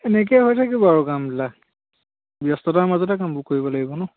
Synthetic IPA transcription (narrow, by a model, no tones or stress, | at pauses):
ɛnɛk̬ɛjɦojtʰakibɔaɹukamdila | bjɔstɔtaɹmazɔtɛkambʊkoɹibɔlaɡibɔnʊ